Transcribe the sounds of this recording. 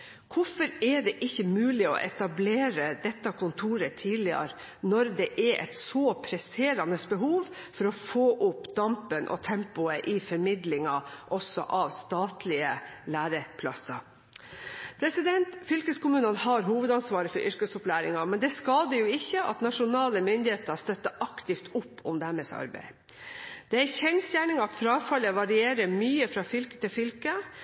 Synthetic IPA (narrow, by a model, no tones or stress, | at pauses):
kʰʊfɔɾɛɖɛʔɪçːəmʉːlɪɔ̰ʔɛt̪ɑbleːɾəd̪ɛt̪ːɑkʰʊnt̪ʰuːɾət̪ʰiːlɪɑ̰ɾ | nɔɾd̪ɛʔɛɾʔɛ̰t̪sɔːpʰɾɛseːɾɑnəsbəɦuːʋfɔɾɔfoːʔʊpd̪ɑmpənʔɔ̰t̪ʰɛmpʊəʔɪfɔɾmɪd̪lɪŋɑʔɔsɔ̰ʔɑʋst̪ɑːt̪lɪəlæːɾəpʰlɑ̰sɑ | pʰɾɛsɪd̪ɛnt̪fʏlkəskʊmʉːnənhɑɾɦuːʋəd̪ɑnsʋɑːɾəfɔɾʔʏɾkəsʊplæːɾɪŋɑmɛnd̪ɛskɑːd̪əjʊɪçːəʔɑ̰t̪nɑʂʊnɑːləmʏnd̪ɪheːt̪əst̪œt̪ːəʔɑkt̪ɪft̪ʊpːʊmd̪æɾmɛsɑ̰ɾbæ̰ɪ | d̪̥ɛæçɛnsjæːɳɪŋɑt̪fɾɑːfɑləʋɑɾɪeːɾəmyːəfɾɑːfʏlkə̥t̪ɪlfʏlkə